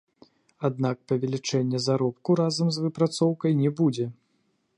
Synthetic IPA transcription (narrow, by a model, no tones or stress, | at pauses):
ad̪̚nakpɐvʲɛlʲit͡ʂɛnʲːɛzaɾɔp̚kuɾazɐmzvɨpɾat̪sɔwkɐjnʲɛbud͡zʲɛ